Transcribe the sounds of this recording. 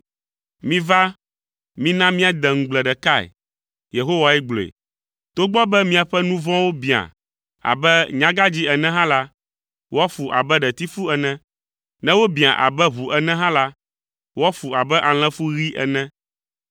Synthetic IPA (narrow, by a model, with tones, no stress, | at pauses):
mĩ˦va˦ | mĩ˦nã˦mĩ˦a˨d̪ɛ˨ŋ̩˨ɡ͡blɛ˨ɖɛ˨ka˦˨ɛ̰˨ | je˨ɦo˦wa˨ɛ˦ɡ͡blo˨ḛ˨ | t̪o˦ɡ͡bɔ˦bɛ˦mĩ˦a˨ɸɛ˦nũ˦vɔ̃˦wo˦bi˨a̰˨ | a̰˨bɛ˦ɲã˨˦ɡa˦d͡ʑi˦ɛ˨nɛ̃˦ɦã˦la˦ | wo˦a˦fu˨ʔa̰˨bɛ˦ɖɛ˨t̪i˦fu˦ɛ˨nɛ̃˦ | nɛ̃˦wo˦bĩ˨a̰˨ʔa̰˨bɛ˦βu˨ʔɛ˨nɛ̃˦ɦã˦la˦ | wo˦a˦fu˨a˨bɛ˦ʔa˨l̃ɛ̃˦fu˦ɣi˦ʔɛ̰˨nɛ̃˦